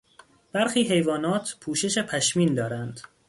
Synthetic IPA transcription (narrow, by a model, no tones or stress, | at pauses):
b̥æɾxiːɦe̞jvɒːnɒːt̪ʰpʰuːʃe̞ʃe̞pʰæʃmiːnd̪ɒːɾænd̪̥